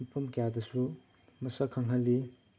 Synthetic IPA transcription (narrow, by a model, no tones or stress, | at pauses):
pʰumkjadɐsu | mɐsakʰɐŋɦɐlːi